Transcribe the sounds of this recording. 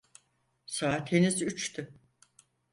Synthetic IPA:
saːt̪henyzyt͡ʃt̪ʰy

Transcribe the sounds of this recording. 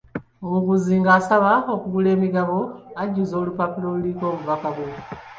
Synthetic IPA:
omuɡuziŋɡaːsaβaokuɡule̞ːmiɡaβoaɟuzoːlupapiloluliko̞ːmuvakaɡwe

